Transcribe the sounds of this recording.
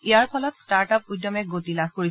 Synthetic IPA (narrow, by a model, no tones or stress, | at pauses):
ijaɹpʰɔlɔtstaɹtap̚ujdːɔmɛɡotilaxkoɹis